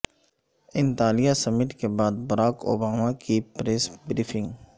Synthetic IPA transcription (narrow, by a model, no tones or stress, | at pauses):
ɪ̃nt̪aːlijasɐmɪʈkebaːd̪̚bɐɾaːko̰ːbaːmakipɾeːsbɾiːfɪ̃ŋɡ